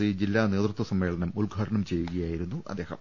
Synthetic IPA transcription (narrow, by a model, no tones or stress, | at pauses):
id͡ʑilːaːne̞ːt̪rut̪wɐsɐmːe̞ːɭɐnɐmulɡʱaːʈɐɳɐmt͡ɕe̞jːuɣɐjaːjiɾun̪ːuʔɐ̰d̪ːe̞ːhɐ̰m